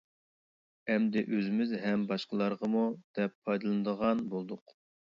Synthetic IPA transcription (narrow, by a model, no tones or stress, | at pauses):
ɛmd̪ɪʔøzɪmɪzɦɛmbɑʃqəlˠɑɾʁəmud̪̥ɛpʰːɑjd̪ɨlˠɨnɨd̪əʁɑnbolˠd̪ʊq